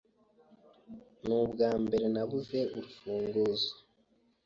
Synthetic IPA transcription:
nubɡaːmbe̞ɾe̞naβuze̞ʔuɾufuːŋɡuzo̥

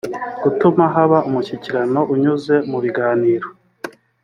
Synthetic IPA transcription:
ɡutumaɦaβaumuciciɾano̞ʔuɲuze̞muβiɡaːniːɾo

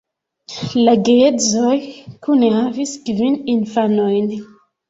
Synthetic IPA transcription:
laɡeezojkunehaviskvininfanojn

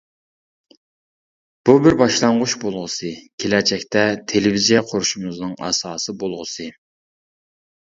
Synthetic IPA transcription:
b̥ubɪɾbɑʃlˠɑɴʁʊʃbolˠʁəsɨkʲʰelɛt͡ʃɛkʲt̪ɛt̪ʰelɪvizijqʰoɾuʃumɨznɨŋɑ̰sɑːsɨbolˠʁəsɨ

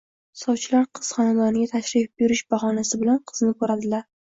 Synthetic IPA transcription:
sɒwt͡ʃʰɪlaɾqʰɨz̥χɒnad̪ɒnɪɡʲat̪ʰaʃɾɪfbjʊɾɪʃbaχɒnasɪbɪlanqʰɨ̥znɪkʰoɾad̪ɪlaɾ

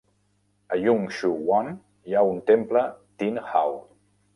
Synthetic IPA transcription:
əjuŋʃuwɔn | jaunt̪emplət̪inhaw

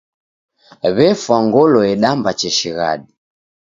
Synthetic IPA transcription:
βɛfwaŋɡɔlɔɛɗambat͡ʃɛʃiɣa̰ɗi

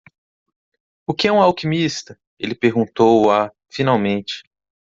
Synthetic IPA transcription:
ʊkɪɛũawkimist̪ɐ | elɪpeɾɡũnt̪owa | finawmẽt͡ʃɪ̥

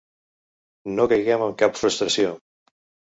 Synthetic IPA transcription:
nokəjɣɛməŋkapfɾust̪ɾəsjo

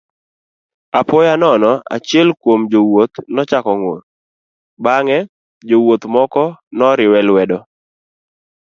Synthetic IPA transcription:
apɔjanɔnɔa̰t͡ʃɪɛlkwomd͡ʒowot̪nɔt͡ʃakɔŋon | baŋɛ | d͡ʒowot̪mɔkɔnɔɾɪwɛlwɛdɔ

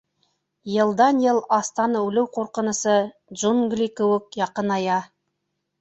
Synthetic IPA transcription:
jɤ̆lˠd̪ɑnjɤlˠɑst̪ɑnəʉlɘwqʰoɾqə̆nə̆sɤ | dʒunɡlikɵ̆wɘkjɑqənɑjɑ

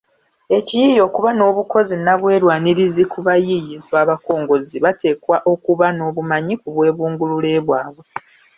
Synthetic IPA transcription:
e̞cijijo̞ːkuβano̞ːβuko̞zinaβwe̞ːɾwaːniɾizikuβajijizwaːβako̞ːŋɡo̞ziβate̞ːkwaʔo̞kuβano̞ːβumaɲikuβwe̞ːβuːŋɡululeːβwaːβwe

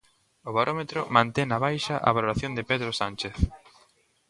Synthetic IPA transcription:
ʊβaɾʔomet̪ɾʊmãnt̪ɛŋnɐβajʃɐʔɐ̰βaloɾaθjond̪ɪpeðɾosant͡ʃeθ

